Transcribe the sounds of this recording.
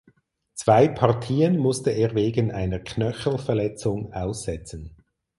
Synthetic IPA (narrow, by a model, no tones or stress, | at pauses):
t͡sv̥aɪpʰɑʁtʰiːənmʊstəʔeːʁveːɡənʔaɪnəʁkʰnœçl̩fɛɐʁlɛt͡sʊŋaʊsz̥ɛt͡sən̩